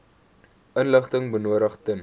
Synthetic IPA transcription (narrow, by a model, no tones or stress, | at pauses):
ʔənləχtəŋbənuəɾəχtən